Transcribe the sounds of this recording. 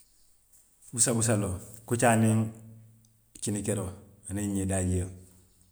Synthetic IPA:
busabus̬alokut͡ʃaːniŋ | t͡ʃinikeɾo | aneɲedaɟijə

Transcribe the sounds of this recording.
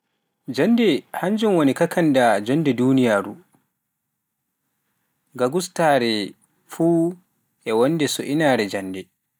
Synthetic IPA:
d͡ʒandɛhaɲd͡ʒumwonikakʰandad͡ʒɔndɛduːnijaːɾu | ɡaɡustaɾɛ | fuː | ʔɛwɔndɛsɔʔinaːɾɛd͡ʒandɛ

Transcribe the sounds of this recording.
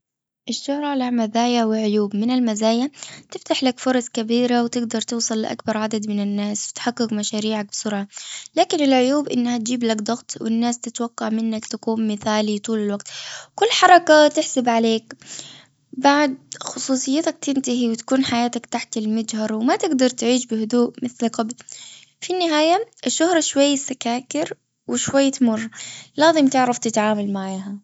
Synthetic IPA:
ʔɪʃːʊhɾˤɑlaʕmazaːjawɪlʕʊjuːbmɪnalmazaːjat̪ɪft̪aħlakfʊɾˤɑsˤkabiːɾawt̪ɪɡd̪ɑɾˤt̪ɨːsˤɨlːɪʔa̰kbɑɾˤʕad̪ad̪mɪnɪnːaːswɪt̪ħaqːɪkmaʃaːɾiːʕak̚bɪsʊɾʕɑlaːkɪnɪlʕʊjuːbʔɪnːhat̪̚d͡ʒiːblakd̪ˤɑɣt̪ˤwɪ̰nːaːst̪ɪt̪wɑqːɑʕmɪnːakt̪akuːmmɪθaːlit̪ˤuːlalwaɡt̪kʊlːħɑɾˤɑkat̪ɪħsabʕaleːk | baʕd̪̚xʊsˤuːsˤɨjːɪt̪ak̚t̪ɪnt̪aɦiwɪt̪ḁkuːnħajaːt̪akt̪aħt̪ɪlmad͡ʒhɑɾˤwɪmat̪ɪɡd̪ɑɾˤt̪ʕiːʃbɪhʊd̪uːʔmɪθlqɑbl | finːɪɦaːjaʔɪʃːʊhɾˤɑʃwajːɪsːakaːkɪɾ | wɪʃwajːt̪mʊrˤːlɑːðˤɨmt̪ɪʕɾˤɑft̪ɪt̪ʕaːmalmaʕaːɦa

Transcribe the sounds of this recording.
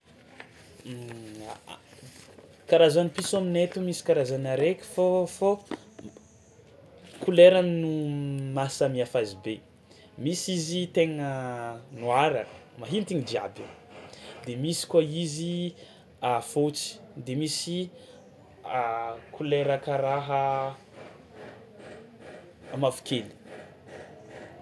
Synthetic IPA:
kaɾazanipisominet̪umisi̥kaɾazanaɾekʲi̥fofo | kuleɾaminumasəmiafazibe | misizit̪eŋənuaɾanə̥ | maɦint̪iɲid̪ia̰be | d̪emisi̥kaizi | afot͡si̥ | d̪emisi | akʰuleɾakəɾaɦə | amafu̥kʰeli̥

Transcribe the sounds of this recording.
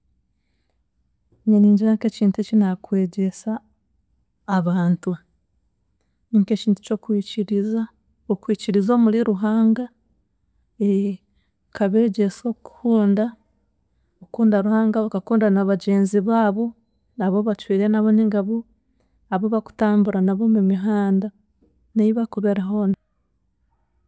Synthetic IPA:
ɲeniːɲɟiɾaŋke̞ciːntucinakwe̞ːɟe̞sa | βaːntu | niŋke̞ciːntu̥cokwiciɾiza | okwiːciɾizo̞ːmuliɾuɦaːŋɡa | e | kaβe̞ɟeso̞ku̥huːnda | okuːndaɾuhaːŋɡakakuːndanaβaɟe̞ːnziβaːβo̞ | naβo̞βat͡ʃwiːɾe̞naβoniŋɡaβo | aβo̞βaku̥taːmbuɾanaβo̞mumiɦaːnda | neiβakuβeɾaɦo̞na

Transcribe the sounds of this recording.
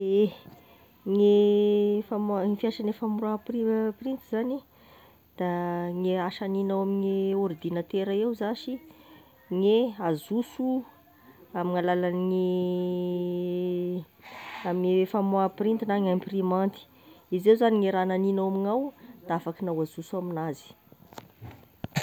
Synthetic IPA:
e | ŋe | famifiaʃanefamuɾapriprint̪izani | d̪̥aŋeaʃaninawamiŋeord̪inat̪eɾaewzaʃi | ŋeazusu | amiŋalalanŋi | aminiefamoaprint̪inaŋamiprimant̪i̥ | izewzaniŋeɾananinawamiŋawd̪̥aafakinawaz̥usuaminazi̥

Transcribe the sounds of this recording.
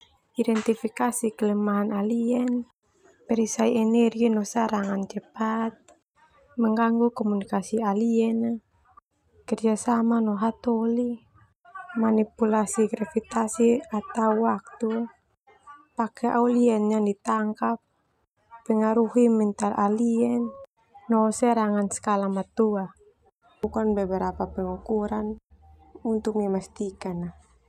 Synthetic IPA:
idɛnt̪ifikasikəlɛmaɦanaliɛn | pɛɾisaiɛnɛrɡinɔsaɾaŋand͡ʒɛpat̪̚ | mɛŋɡaŋɡukɔmunikasialiɛna | kərd͡ʒasamanɔɦat̪ɔli | manipulasiɡɾafit̪asiat̪auwak̚t̪u | pakʰɛʔauliɛnɲandit̪aŋkap̚ː | ɛŋaɾuɦimɛnt̪alʔaliɛnː | ɔsɛɾaŋansə̥kalamat̪ua | bukanbɛbɛɾapapɛŋukuɾan | unt̪ʊk̚mimast̪ikana

